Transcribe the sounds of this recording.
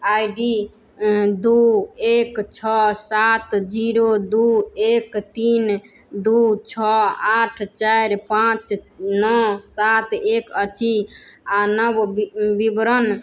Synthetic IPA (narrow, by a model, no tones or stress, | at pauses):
ajɖi | d̪uekt͡ʃʰɔsat̪d͡ʒiɾod̪uekt̪in | d̪ut͡ʃʰɔaʈʰt͡ʃaɾpãt͡ʃnɔsat̪ekət͡ʃʰianəbbibɾən